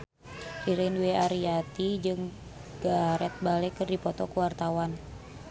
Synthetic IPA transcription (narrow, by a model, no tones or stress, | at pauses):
riɾənwɛaɾiat̪id͡ʒɨŋ | ɡ̥aɾɛt̪̚balɛkɨrdipɔt̪ɔkuwart̪awan